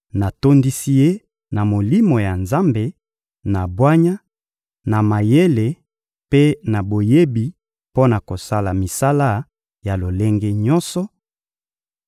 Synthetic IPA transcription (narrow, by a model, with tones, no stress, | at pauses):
na˨to˦ndi˦si˦je˦ | na˨mo˨li˦mo˨ja˨nza˦mbe˨ | na˨bwa˦ɲa˦ | na˨ma˨je˦le˨ | pe˦na˨bo˨je˦bi˨ | po˦na˨ko˨sa˦la˨mi˨sa˦la˦ | ja˨lo˨le˦ŋɡe˦ɲɔ˦nsɔ˦